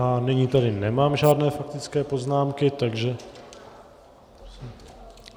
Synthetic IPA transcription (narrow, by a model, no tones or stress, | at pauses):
aniɲit̪adɪnɛmaːmʒaːdnɛːfak̚t̪ɪt͡skɛːpo̞znaːmkɪt̪aɡʒɛ | s